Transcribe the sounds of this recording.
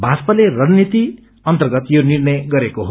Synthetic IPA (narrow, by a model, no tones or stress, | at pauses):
bʱaspʌlerʌnnit̪i | ʌnt̪ʌrɡʌt̪jonirnʌjɡʌɾekoɦo